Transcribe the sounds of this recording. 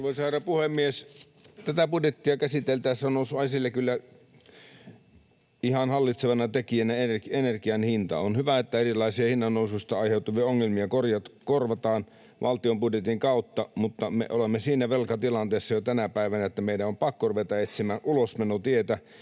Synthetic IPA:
ʋoisɑːɾɑpuhemːies | t̪æt̪æpudjet̪ːiɑkæsit̪elt̪æːssɑnosuɑisilːekylːæ | ihɑnhɑlːit̪seʋɑnɑt̪ekiænæerenerkiɑnhint̪ɑ̰onhyʋæet̪ːæerilɑisiɑhinːɑnːoususʲt̪ɑɑiheut̪uʋiɑoŋːelmiɑkorjɑt̪korʋɑt̪ɑːn | ʋʔɑ̰lt̪iompudjet̪iŋkɑut̪ːɑmut̪ːɑmḛʔolemːesiːnæʋelkɑt̪ilɑnt̪eˑːsːɑjot̪ænæpæˑiʋænæet̪ːæmeidæompɑkːoruʋet̪ɑet̪simæːnʔulosmenot̪iet̪æ

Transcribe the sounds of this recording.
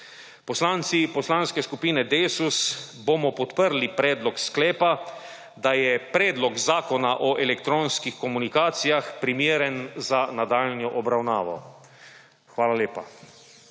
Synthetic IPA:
pɔslaːnt̪sipɔslaːnskɛskupiːnɛd̪eːsusbomɔpɔt̪pəɾlipɾɛːd̪lɔksklɛːpa | d̪ajɛpɾɛːd̪lɔɡzaːkɔnaʔɔʔɛlɛkt̪ɾoːnskixkɔmunikaːt̪sijaxpɾimjeːɾɛnzanad̪aːlnjɔʔɔbɾawna̰ːʋɔ̰ | xʋaːlaleːpa

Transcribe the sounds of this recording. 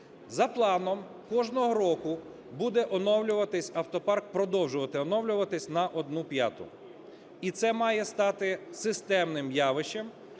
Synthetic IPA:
zɐplˠɑnɔm | kɔʒnɔɦɔɾɔkʊ | bud̪ɛʔɔnɔwlʲʊʋɐt̪ɪsʲɐwt̪ɔpɑrk̚pɾɔd̪ɔwʒʊʋɐt̪ɪɔnɔwlʲʊʋɐt̪ɪsʲnɐʔɔd̪̚nupjɑ̰t̪ʊ̰ | it̪sɛmɑjɛst̪ɑt̪ɪsɪst̪ɛmnɪmjɑʋɪʃɛm

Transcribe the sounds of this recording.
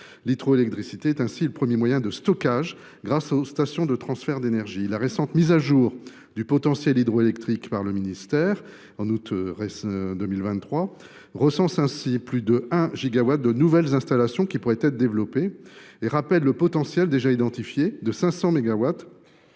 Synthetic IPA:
lit̪χoelɛk̚t̪χisit̪eɛt̪ɛ̃siləpχəmjemwajɛ̃d̪əst̪ɔkaʒ | ɡʁasost̪asjɔ̃d̪ət̪χɑ̃sfɛʁd̪enɛʁʒilaʁesɑ̃t̪mizaʒuʁ | d̪ypɔt̪ɑ̃sjɛlid̪ʁoelɛkt̪χikpaʁləminist̪ɛʁ | ɑ̃nut̪ʁesd̪əmilvɛ̃t̪ːχwa | ʁəsɑ̃sɛ̃siplyd̪əɛ̃ʒiɡawat̪̚d̪ənuvɛlzɛ̃st̪alasjɔ̃kʲipuʁɛt̪ɛt̪χd̪evlɔpeeʁapɛlːəpɔt̪ɑ̃sjɛld̪eʒaid̪ɑ̃t̪ifjed̪əsɛ̃sɑ̃meɡawat̪

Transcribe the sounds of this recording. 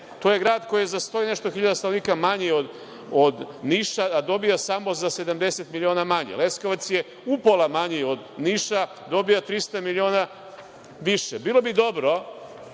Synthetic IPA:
t̪o̞ːje̞ɡɾaːd̪ko̞jizast̪o̞ine̞ʃt̪oxiʎad̪ast̪anoniːkamaɲiod̪ | od̪niʃaad̪o̞bijasamo̞zase̞d̪amd̪e̞set̪milʲio̞ːnamaɲḛle̞skoʋat̪sje | upolˠamaɲio̞d̪niːʃa | d̪o̞bijat̪ɾist̪amilio̞ːna | ʋiʃebiːlo̞bid̪o̞bɾo̞

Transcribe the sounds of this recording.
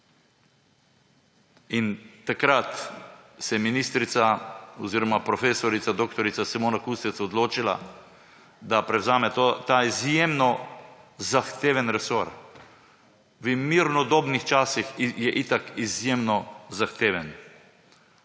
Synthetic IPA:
int̪akɾat̪sɛminiːst̪ɾit̪saɔziːɾɔmapɾɔfeːsɔɾit̪sad̪oːkt̪ɔɾit̪sasɛmoːnakust̪ɛt̪sɔd̪loːt͡ʃila̰ | d̪apɾɛwzaːmɛt̪ot̪aizjemnɔ | zaxt̪eːʋɛnɾɛsoɾ | ʋəmiɾnɔd̪oːbnixt͡ʃaːsixjɛʔit̪akizjemnɔzaxt̪eːʋɛn

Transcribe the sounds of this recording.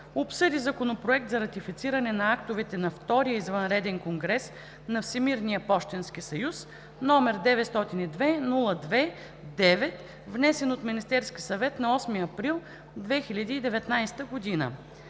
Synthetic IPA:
opsɤd̪izɐkonopɾoɛk̚t̪zɐɾɐt̪ifit̪siɾɐnɛnɐakt̪ovɛt̪ɛnɐft̪ɔɾijəizvɐnɾɛd̪ɛnkoŋɡɾɛs | nɐfsʲɛmiɾnijəpɔʃt̪ɛnsk̟isɐjus | nɔmɛɾd̪ɛvɛt̪st̪ɔt̪inid̪vɛnulˠəd̪vɛ | d̪ɛvɛt̪ | vnɛsɛnot̪minist̪ɛɾskʲisɐvɛt̪nɐɔsmiəɐpɾilˠ | d̪vɛxilʲɐd̪iːd̪ɛvɛt̪najst̪əɡod̪inə̰

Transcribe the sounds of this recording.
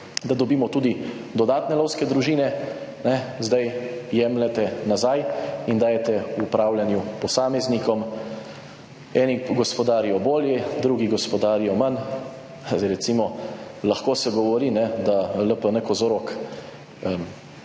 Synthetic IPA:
d̪ad̪ɔbiːmɔt̪ud̪id̪ɔd̪aːt̪nɛloːwskɛd̪ɾuʒiːnɛ | nɛzd̪ajjɛmlɛt̪ɛnazajind̪aːjɛt̪ɛːpɾaːwlʲjanjupɔsaːmɛznikɔm | ɛːniɡɔspɔd̪aːɾijɔboːljɛd̪ɾuɡiɡɔspɔd̪aːɾijɔman | ɾɛt̪simɔlaxkoːsɛɡɔʋɔɾinɛd̪aləpənɛkɔzoɾɔk | əm

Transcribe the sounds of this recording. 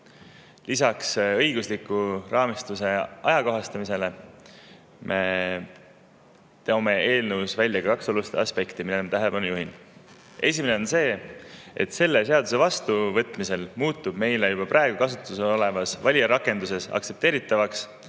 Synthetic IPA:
lisɑksɤ̞jɡuslikːurʔɑːmist̪use̞ʔɑjɑko̞ɦɑst̪ɑmise̞le̞ | mʔe̞ | t̪eome̞e̞ːlnəwsvælʲjɑkɑkɑkso̞lust̪eɑspe̞kt̪imid̪emɑt̪æɦe̞le̞pɑnujuɦin | e̞sime̞ne̞o̞nse̞ːe̞t̪se̞lːe̞se̞ɑd̪us̬e̞vɑst̪uvɤ̞t̪ːˑmise̞lmuːt̪ːˑub̥me̞jlejub̥ɑprʔɑe̞ɡ̥ukɑsut̪ːˑuseo̞le̞mɑsvɑlʲiɑɾɑkːˑe̞nd̪us̬e̞sɑ̰kt̪se̞p̚t̪e̞ːɾit̪ːˑɑvɑks

